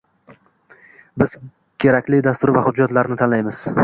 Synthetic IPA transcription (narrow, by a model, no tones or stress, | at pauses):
bɪz̥ | kʲʰe̞ɾakʲlɪd̪ast̪ʊɾvahʊd͡ʒːat̪laɾnɪt̪ʰanlajmɪz̥